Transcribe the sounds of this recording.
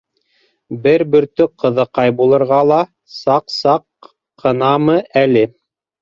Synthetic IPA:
bɘɾbɵ̆ɾt̪ɵqʰɤ̆ðɤqɑjbulˠɤ̆ɾʁɑlˠɑ | sɑqsɑqː | ɤ̆nɑmɤʔælɘ

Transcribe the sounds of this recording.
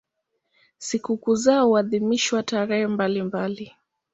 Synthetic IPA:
sikukuzauaðimiʃiwataɾɛhɛmbalimbali

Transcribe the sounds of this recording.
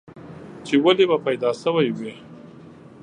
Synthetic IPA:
t͡ʃewalebapajd̪ɑsəwajwi

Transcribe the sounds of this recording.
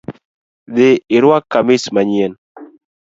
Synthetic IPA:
ðɪɪɾwakːamɪsmaɲien

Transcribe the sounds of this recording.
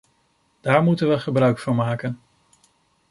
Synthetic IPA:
d̥aːɹmutənʋəχəbrœɥkfɑɹmaːkən

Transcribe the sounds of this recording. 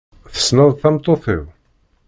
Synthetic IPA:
θə̥snəðˤθɑmt̪ˤoθə̰w

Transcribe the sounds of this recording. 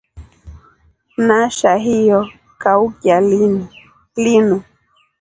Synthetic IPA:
naʃaɦijɔ | kaukjalin | linu

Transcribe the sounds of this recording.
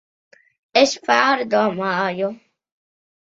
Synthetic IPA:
eɕfaːɾd̪oːmajo

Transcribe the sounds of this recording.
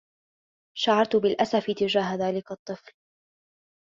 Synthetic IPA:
ʃaʕɑɾˤt̪ʊbɪlʔasafɪt̪ɪd͡ʒaːɦaðaːlɪkɑt̪ˤːɨfl

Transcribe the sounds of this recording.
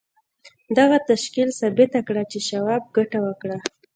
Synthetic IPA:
d̪aɣat̪aʃkilsɑbɪt̪akɽat͡ʃeʃawab̚ɡaʈawəkɽa

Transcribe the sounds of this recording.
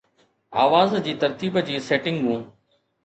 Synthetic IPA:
a̰ːʋaːzd͡ʑiːt̪ɐɾt̪iːbd͡ʑiːseːʈɪ̃ŋɡɦũː

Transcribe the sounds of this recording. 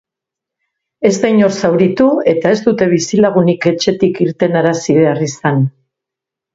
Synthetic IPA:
e̞zd̪ajɲo̞ɾsawɾit̪ue̞t̪ae̞zd̪ut̪e̞β̞isilaɣ̞unike̞t͡ʃe̞t̪ikiɾt̪e̞naɾasiðearisan

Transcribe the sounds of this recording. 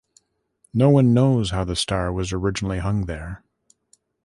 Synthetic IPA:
noʊwʌ̃nːoʊz̥haʊðɨstɑɹwʌzə˞ɪd͡ʒɨnl̩ˠiɦʌ̃ŋðə˞

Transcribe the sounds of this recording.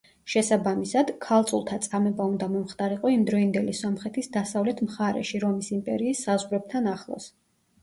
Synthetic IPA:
ʃɛsabamisad̪kʰalˠt̪sʼulˠt̪ʰat̪sʼamɛbaund̪amɔmχt̪ʼaɾiqʼɔimd̪ɾɔind̪ɛlisɔmχɛt̪ʰisd̪asavlɛt̪ʰmχaɾɛ̰ʃiɾɔmisimpʼɛɾiːsːazʁɾɛb̚t̪ʰanaχlˠɔ̰s

